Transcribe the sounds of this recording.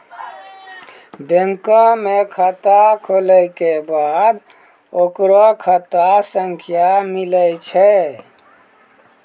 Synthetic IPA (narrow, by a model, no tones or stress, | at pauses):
beŋkə̃mekʰət̪akʰoləkebad̪ | okɾɔkʰət̪asəŋkʰjamiləjt͡ʃʰɛ